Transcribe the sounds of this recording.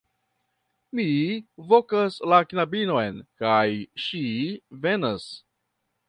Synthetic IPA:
mivokaslaknabino̞jnkajʃive̞nas

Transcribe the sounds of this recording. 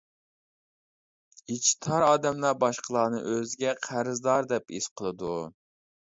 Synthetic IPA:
it͡ʃʰt̪ʰɑɾɑːd̪ɛmlˠɑbɑʃqʰəlˠɑːnɨʔøzɡʲɛqʰæɾɨzd̪ɑɾd̪ɛpḭsqʰəlˠɨd̪u

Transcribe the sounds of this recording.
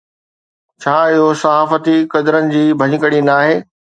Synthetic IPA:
t͡ɕʰaːɪɦosɐɦaːfət̪ikɐd̪əɾənɪ̆d͡ʑiːbʱɐɲɪ̆kəɽinaːɦeː

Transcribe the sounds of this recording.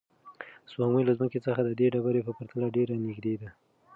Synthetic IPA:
swɑŋməjlazməket͡səxad̪əd̪eɖabaɾepəpəɾt̪alaɖeɾanɪɡd̪ed̪a

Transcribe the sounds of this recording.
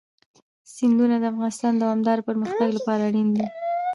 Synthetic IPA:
sɪnd̪unad̪əafɣɑnɪst̪ɑnd̪awɑmd̪ɑɾpəɾməxt̪aɡlapɑɾaɽind̪i

